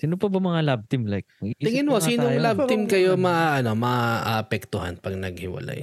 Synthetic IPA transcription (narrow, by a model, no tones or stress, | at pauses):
siːnopɐbɐmɐŋalab̚t̪ɪmlajk̚ɐt̪ɪŋɪnhosiːnoŋlab̪ɪmkɐjomɐʔaʔɐno̞mɐʔʔaʔɐpɛk̚t̪ʊɦa̰npɐɡnɐɡhɪ̰wɐ̰la̰j